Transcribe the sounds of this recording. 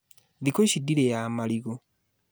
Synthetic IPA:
ðikoiʃidiɾejaːmaliɣo

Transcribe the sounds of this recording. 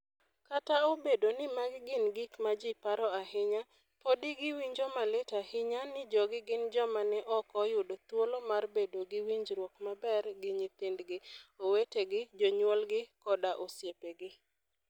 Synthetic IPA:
kataobedonɪmaɡɪɡɪnɡikmad͡ʒipaɾɔahɪɲa | podɪɡɪwiɲd͡ʒɔmaletahɪɲanɪd͡ʒɔɡɪɡɪnd͡ʒɔmanɛʔɔkɔjʊdot̪wolomarbedoɡɪwiɲd͡ʒɾwɔkmabɛrɡɪɲit̪ɪndɡɪoweteɡɪd͡ʒɔɲwɔlɡɪkɔdaʔosjepeɡɪ

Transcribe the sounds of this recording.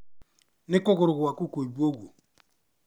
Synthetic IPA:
nɪkokoɾukuwakukoibuoɡo

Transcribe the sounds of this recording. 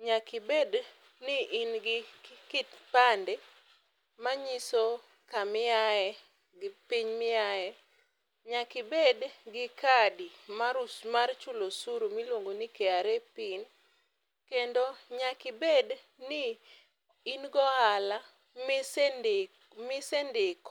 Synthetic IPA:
ɲakɪbed | nɪʔinɡɪkɪtpandɛ | maɲiso | kamɪaɛ | ɡɪpiɲmɪajɛ | ɲakɪbedɡɪkadimaɾusmart͡ʃulosuɾomilwoŋɡonikeaɾɛpin | kendoɲakɪbed | nɪː | nɡɔɦala | mɪsɛndɪk

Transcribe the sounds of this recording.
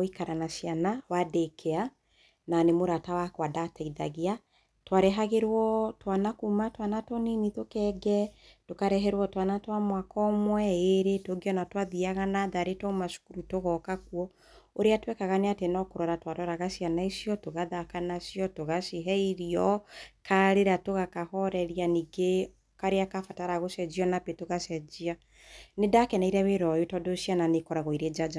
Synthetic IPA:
ikaɾanaʃianawadekʰɛa | nanemoɾatawakwadataiða̰ɣia | twaɾɛɦaɣeɾwɔtwanakumatwanatɔninitokɛɡɛtokaɾɛɦɛɾwɔtwanatwamwakɔmwɛeɾetoɡeɔnatwaðiaɣanaðaɾetɔmaʃu̥kuɾutoɣɔkakuɔ | oɾeatwɛkaɣaneatenɔkoɾɔɾatwaɾɔɾaɣaʃianaisiɔtoɣaðakanasjɔtoɣaʃiɦɛiɾiɔkʰaɾeɾatoɣakahɔɾɛɾijaniɡe | kaɾeakafataɾaɣoʃɛd͡ʒiɔnapetoɣaʃɛd͡ʒia | nedakɛnaiɾɛβeɾɔjotɔdoʃiananekɔɾaɣɔiɾed͡ʒad͡ʒa

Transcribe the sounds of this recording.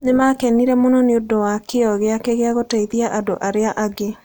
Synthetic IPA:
nemakɛniɾɛmonɔneodowakeɔɣeakeɣeaɣotɛiðiaʔadoʔaɾeaʔaɡe

